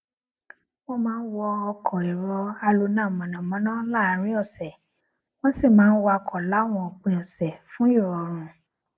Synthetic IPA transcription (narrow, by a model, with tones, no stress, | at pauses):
wo˦mãː˦wɔ˧ɔ˧kʰɔ˨i˨ɾɔ˧a˧lo˧nãː˦˨mɔ̃˨nã˨mɔ̃˨˦nãː˦la˦˨˧ɾ̃ĩ˦ɔ˦˨sɛ˨ | w̃ɔ̃˦si˦˨mãː˨˦n̩˦wɔ˧ɔ˧kʰɔ˨la˨˦w̃ɔ̃˦˨k͡pẽ˨ɔ˨sɛ˨fũ˨˦o˦˨ɔ˨ɾ̃ũ˨